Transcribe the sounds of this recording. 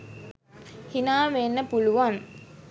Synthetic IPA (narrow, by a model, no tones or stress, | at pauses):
hinaːʋenːəpuluʋaŋ